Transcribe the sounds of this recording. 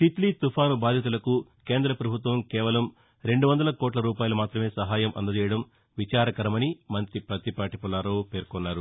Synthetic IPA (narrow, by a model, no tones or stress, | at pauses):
t̪it̪lit̪upʰaːnubaːd̪ʱjɐt̪̬ulɐkukeːnd̪ɾɐpɾɐbʱut̪ʋɐmkɛːʋɐlɐm | ɾe̞ɳɖuʋɐnd̪ɐlɐkoːʈlɐɾuːpaːjɐlumaːt̪ɾɐme̞ːsɐɦaːjɐmʔɐ̰nd̪ɐd̪iːjɐɽɐm | ʋit͡ʃaːɾɐkɐɾɐmɐnimɐnt̪ɾipɾɐt̪ipaːʈipɐlaːɾoːpe̞ːɾkɔnːaːɾu